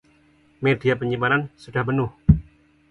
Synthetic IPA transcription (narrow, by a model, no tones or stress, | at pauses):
merd̪iapəɲimanansud̥ahbənʊh